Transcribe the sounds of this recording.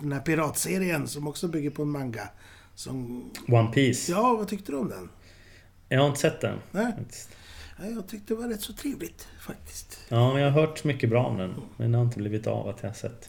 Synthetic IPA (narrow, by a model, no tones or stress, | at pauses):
d̪̥ɛnhæːɾpɪɾɑːt̪seːɾɪənsɔmɔksɔbʏɡːəɾpʰɔɛnmaŋɡa | sɔmwanpʰiːsjɑːvat̪ʰʏk̚t̪əd̪ɵɔmd̪ɛ̰n | jɑhaɾɪnəsɛt̪̚ːd̪ɛ̰nnɛɪakt̪ɪ̥st̪jɑjɑːɡ̚t̪ʰʏk̚t̪əd̪ɛvaɾɛt̪ːsɔt̪ʰɾeːvlɪt̪fak̚t̪ʰɪ̥st̪jɑːmɛnjɑhaɾɦœːʈmʏkːəbɾɑːɔ̰md̪ɛnmɛ̰njahaɾɪnt̪əbliːvɪt̪a̰va̰t̪ʰjɑhasɛ̰t̪ː